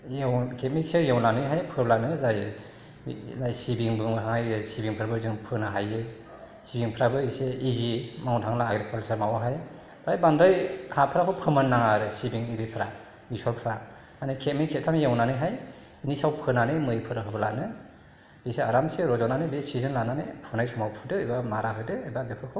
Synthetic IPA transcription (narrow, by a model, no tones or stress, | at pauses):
jewkʰet̚mik̚sejawnanɯjɦajpʰɯɾlanɯzaj | lajsibiŋbɯŋɦaŋajɯsibiŋpʰɯɾabɯzɯŋpʰɯnaɦajɯ | sibiŋpʰɾabɯiseizimaŋwtʰaŋlaːɡɾekʰɔlsaɾmawaɦaj | ajbandɯjhapʰɾakʰɯwpʰɯmanːaŋaɾɯsibiŋiɾipʰɾa | bisɔlpʰɯɾa | anɯkʰet̚mijkʰet̚kʰamjawnanɯjɦaj | inisawpʰɯnanɯmɯjpʰɯɾɯɦɯbɯlanɯ | iseaɾamseɾɔzɔnanɯbesizɯnlananɯpʰɯnajsumawpʰɯdɯɯjbamaɾaɦɯjdɯːjbadekʰɯkʰɯw